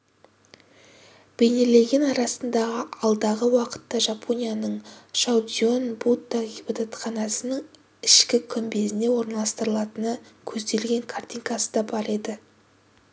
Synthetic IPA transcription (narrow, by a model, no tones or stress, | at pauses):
b̥e̞jne̞le̞ɡʲe̞nɑɾɑsənd̪ɑʁəɑlˠd̪ɑʁəwɑqə̥t̪ːɑʒɑpʰo̞nʲijanəɴʃawd̪ijo̞nbut̪ːaɡʲibɑt̪at̪χɑnɑsənəŋ | ɪʃkʲɪkʲʰʏmbe̞zɪne̞wo̞ɾnɑlˠɑst̪əɾəlˠɑt̪ənəkʲʰɵzd̪e̞lɡʲe̞ŋkʰart̪ʲijŋkɑsə̥d̪ɑbɑɾe̞d̪ɪ